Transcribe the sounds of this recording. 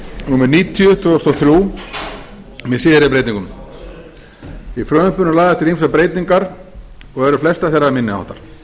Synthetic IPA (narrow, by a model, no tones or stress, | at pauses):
nuːmʏɾniːt̪ʰjʏt̪vʏːɔst̪ɔθɾjuː | mɛðsɪːðɪɾɪpɾejt̪niŋkʏm | ifɾœʏmpʏnʏlaːɣðaht̪ɪlimsapɾeːjt̪niŋkaɾɔɣɛɾʏflɛst̪aθejɾaðmɪnːɪaa̰ht̪aɾ̥